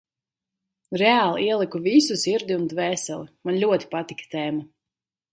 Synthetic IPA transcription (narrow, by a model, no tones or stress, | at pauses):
ɾɛaːlˠiɛlˠikuvisusiɾd̪ʲiund̪vɛːsɛlˠimanlʲuɔt̪i̥pat̪ikt̪ɛːma